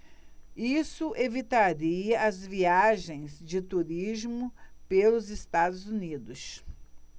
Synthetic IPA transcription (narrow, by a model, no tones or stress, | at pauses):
isʊʔevit̪aɾiɐɐzviaʒẽj̃zd͡ʒɪt̪uɾizmʊpelʊzɪst̪ad̪ʊzunid̪ʊs